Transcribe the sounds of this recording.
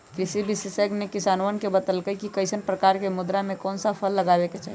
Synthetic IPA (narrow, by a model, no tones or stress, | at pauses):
kɾɪsibʱisisəɡnekɪsaːnwənkebət̪əlkəikikəɪsənpɾəkaːɾkemʊd̪ɾamẽkɔːnsapʰəlːəɡaːbeket͡ʃaːɦ